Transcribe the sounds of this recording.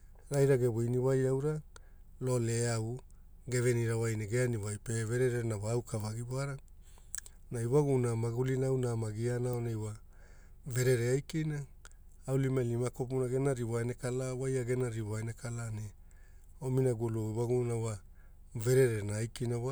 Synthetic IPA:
ɾajɾaɡeβojniwajawɾa | lo̞leaw | ɡe̞veniɾawajneɡeaniwajpeve̞ɾeɾenawaawkʰavaɡiboaɾa | naiwaɡunamaɡulinawnamaɡianaonejwa | ve̞ɾe̞ɾeajkinaː | wlimalimakop̬unaɡe̞naɾiwanekalawajaɡe̞naɾiwaenekalane | ominaɡuluiwaɡunawa | ve̞ɾe̞ɾenaːjkinawa

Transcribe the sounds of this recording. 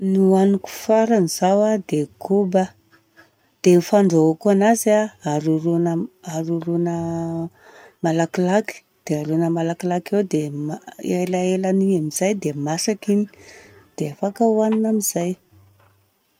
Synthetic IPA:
nuaniku̥faɾanizawad̪eɡʰubə | d̪̥efaɳɖ͡ʐaakanazaaɾuɾunəaɾuɾunə | malakilaki̥ | d̪̥eaɾunəmalakilakewd̪emaelaelaniamiz̥ajd̪emasakini̥d̪̥eafakawaninamiz̥aj

